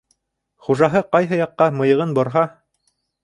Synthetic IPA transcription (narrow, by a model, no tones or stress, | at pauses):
χuʒɑɦɤqɑjɦɤjɑqːɑmɤ̆jɤ̆ʁɤnbŏɾɦɑ